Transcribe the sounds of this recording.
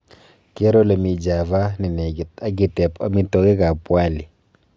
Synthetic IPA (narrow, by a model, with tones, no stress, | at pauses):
ke˦ɾo˦le˨mi˨d͡ʒa˨va˦ni˨nɛ˨ɡɪ˨ta˦ɡɪ˨tɛ˨pa˦mi˦to˦ke˦ka˨pwa˦˨li˨